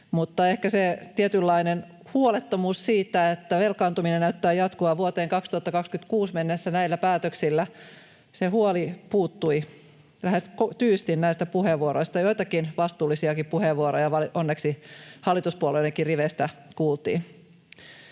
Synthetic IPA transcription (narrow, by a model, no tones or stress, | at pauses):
mut̪ːɑehkæset̪iet̪ylːɑinen | huolet̪ːomuːssiːt̪æet̪ːæʋelkɑːnt̪uminenæyt̪ːæːjɑt̪kuɑʋuot̪eːŋkɑkst̪uhɑt̪ːɑkɑkskyt̪kuːsmenːesːænæilːæpæːt̪øksilːæ | sehuolipuːt̪ːui | læheskot̪yːst̪innæist̪æpuheʋʋuoɾoist̪ɑjoit̪ɑkinʋɑst̪uːlːisiɑkippuheʋʋuoɾojɑʋɑliʔonːeksihɑlːˑit̪uspuoleieŋkiriʋest̪ækuːlt̪ḭːn